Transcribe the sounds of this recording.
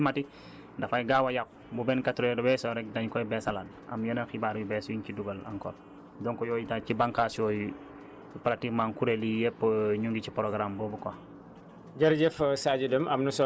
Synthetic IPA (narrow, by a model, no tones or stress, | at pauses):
mati | dafajɡawajak̚ | bubɛnkatɾɔdɔbɛsɔɾɛk̚daɲkɔjbɛsalan | a̰mjɔnaxibaɾwibɛswiɲciduɡɐla̰ŋkɔ̰l | dɔŋkɔjɔːjitacibaŋkasɔj | pɾatikmaŋkuɾelijɛpːɲuŋɡicipɾoɡɾambobuko | ɟɐɾɟɛfsaɟidəmɐmnuso